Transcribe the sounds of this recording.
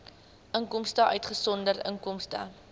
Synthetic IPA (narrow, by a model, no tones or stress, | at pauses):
ʔəŋkɔmstəʔœɥtχəsɔndərə̰ŋkɔmstə̰